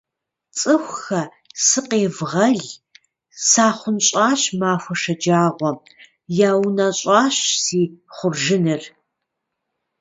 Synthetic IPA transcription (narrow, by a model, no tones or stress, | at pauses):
t͡sʼɨxʷxɐ | sɨqeːvʁɐɮ | saːχʷʊnɕʼɑːɕmaːfʷɔʂɐd͡ʒaːʁʷɔ | jaːwnaɕʼɑːɕsiːχʷʊrʒɪnɨr